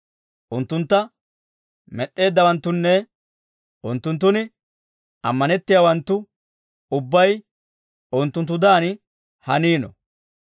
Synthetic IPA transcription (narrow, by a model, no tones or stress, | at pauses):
ʔʊnt̪ːʊnt̪ːɐ | mɛɗʔːe̞ːd̪ːɐwɐnt̪ːʊnːɛ | ʔʊnt̪ːʊnt̪̬ːʊnɪ | ɐ̰mːɐnɛt̪ːɪjaːwɐnt̪ːʊ | ʊbːɐj | ʊnt̪ːʊnt̪̬ːʊd̪aːn | hɐniːnɔ̰